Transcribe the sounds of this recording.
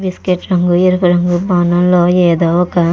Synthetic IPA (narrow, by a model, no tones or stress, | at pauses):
biskeʈɾɐŋɡuiɾupɐɾɐŋɡubaːnɐmloːjeːd̪oːɔkɐ